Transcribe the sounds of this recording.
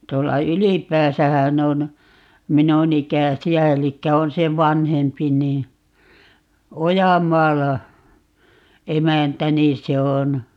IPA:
tuolːɑ ylipæːsæhæn on minun ikæsiæ elikːæ on se ʋɑnhempi niː ojɑmˑɑːlɑ emæntæ niːn̞ se on

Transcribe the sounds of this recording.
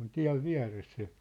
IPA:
on tiæ̝ʋ ʋiæ̝res se

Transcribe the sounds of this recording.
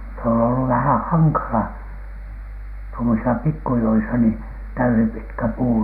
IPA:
se on olːu ʋæhæ̃ː hɑŋkɑlɑ tuomosisɑ pikːujoisɑ niː tæysipitkæ puː

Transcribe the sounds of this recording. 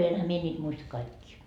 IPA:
enhæ mie nʲiːt muistɑ kɑikːiː

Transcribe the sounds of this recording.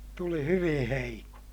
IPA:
tuli hyʋĩː heiko

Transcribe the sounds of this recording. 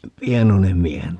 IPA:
pienonem miehen

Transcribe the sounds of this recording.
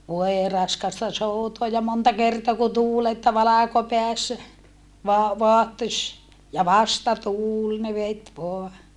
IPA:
ʋoe rɑskɑstɑ soutoɑ jɑ montɑ kertoɑ kun tuːl etːæ ʋɑlɑˑkopeæsːæ ʋoɑ ʋoɑhtosʲ jɑ ʋɑstɑtuːl ne ʋet ʋoɑ

